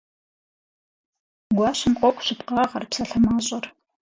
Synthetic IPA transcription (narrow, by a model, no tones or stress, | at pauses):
ɡʷɑːɕɪmqʷʼɔkʷʼɕɪpqɑːʁɐrpsɐɬɐmaːɕʼɐr